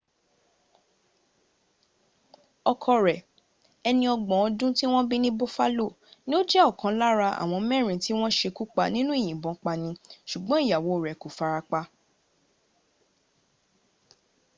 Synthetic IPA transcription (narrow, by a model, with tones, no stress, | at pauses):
ɔ˧kʰɔ˧ɾɛ˨ | ɛ˧nĩ˧ɔ˧ɡ͡bɔ̃˨ɔ˧dũ˦ti˦w̃ɔ̃˦bi˦nĩ˦bo˦fa˦lo˦˨ | nĩ˦o˦d͡ʒɛ˦ɔ˦˨kã˧la˦ɾa˧ʔa̰˨w̃ɔ̃˧mɛ̃˦˨ɾ̃ĩ˨ti˦w̃ɔ̃˦ʃe˧ku˦k͡pa˧nĩ˦nũ˦e˦˨j̃ĩ˨bɔ̃˨˦k͡pa˧nĩ˧ʃu˨ɡ͡bɔ̃˨˦i˦˨ja˨wo˨ɾɛ˨ko˨fa˧ɾa˧k͡pa˦˧